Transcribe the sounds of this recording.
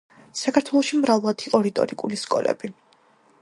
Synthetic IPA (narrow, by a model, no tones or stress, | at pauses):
sakʰaɾt̪ʰwɛlˠɔʃimɾavlˠad̪ʰiqʼɔɾit̪ʼɔ̰ɾikʼuliskʼɔ̰lɛ̰bi